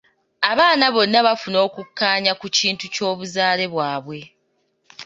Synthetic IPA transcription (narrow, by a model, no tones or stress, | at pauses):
aβaːnaβo̞nːaβafuno̞ːkukːaːɲakuciːntuco̞ːβuzaːle̞βwaːβwe̞